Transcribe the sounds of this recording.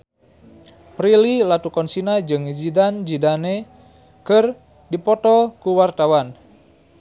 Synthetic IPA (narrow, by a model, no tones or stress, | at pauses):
pɾililat̪ukɔnsinad͡ʒɨŋd͡ʒidand͡ʒidane | kər | dipɔt̪ɔkuwart̪awan